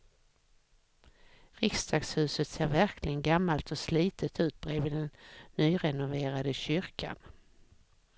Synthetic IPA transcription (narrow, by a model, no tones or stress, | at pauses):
ɾɪkst̪ʰɑːɡshʉ̟ːsət̪seːɾvæɾkʰlɪɡənɡamːalt̪ɔsliːt̪ət̪ʉ̟ːt̪̚bɾeːvɪːd̪ɛnːyːɾɛnʊveːɾad̪əɕʏɾkʰa̰n